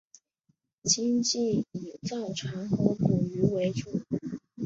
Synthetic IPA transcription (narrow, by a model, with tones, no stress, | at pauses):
t͡ɕi˥ŋt͡ɕi˥˩i˨˩t͡sɑ˥˩ʊʈ͡ʂʰa˧˥ŋxɤ˧˥pʰu˨˩y˧˥we˧˥ɪʈ͡ʂu˨˩